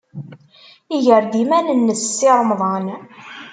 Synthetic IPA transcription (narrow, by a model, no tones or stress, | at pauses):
iʝəɾd̪imænənːəssːɪɾˤəmðˤɑn